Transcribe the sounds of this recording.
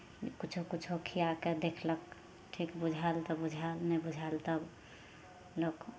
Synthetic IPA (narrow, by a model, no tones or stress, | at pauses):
kit͡ʃʰukit͡ʃʰokʰijaked̪ekʰlək̚ | ʈʰikbud͡ʒʱalt̪ɔbud͡ʒʱalnɛbud͡ʒʱalt̪əb | lok